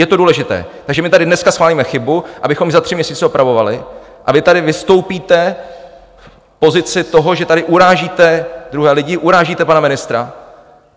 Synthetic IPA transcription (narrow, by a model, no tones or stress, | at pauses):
jɛt̪o̞duːlɛʒɪt̪ɛ̰ːt̪aɡʒɛmɪt̪adɪdnɛskasxʋaːliːmɛxɪbuʔabɪxo̞mzat̪r̝̥ɪmɲɛsiːt͡sɛopɾavo̞valɪ | ʔavɪt̪adɪvɪst̪o̞wpiːt̪ɛ | pozɪt͡sɪt̪o̞ɦo̞ʒɛt̪adɪʔuɾaːʒiːt̪ɛd̪ɾuɦɛːlɪɟɪʔuɾaːʒiːt̪ɛpanamɪnɪst̪ɾa